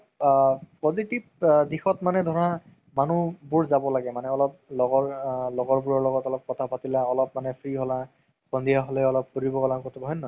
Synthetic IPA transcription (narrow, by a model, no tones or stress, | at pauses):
pozitip̚dixɔtmanɛdʱɔɹa | manubuɹzabɔlaɡɛmanɛɔlɔp̚lɔɡɔɹlɔɡɔɹbuɹɔɹlɔɡɔtɔlɔp̚kɔtʰapatilaɔlɔpmanɛpʰɹiɦɔla | kɔndijaɦɔlɛɔlɔp̚kuɹibɔɡɔlakɔtʰɔbʱɔɦɔnːɔ